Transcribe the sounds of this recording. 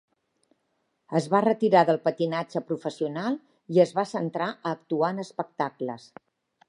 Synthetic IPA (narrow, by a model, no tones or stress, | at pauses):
əzβarət̪iɾaðəlˠpət̪inad͡ʒəpɾufəsiunalˠ | iəzβasənt̪ɾaʔəːkt̪uanəspək̚t̪akləs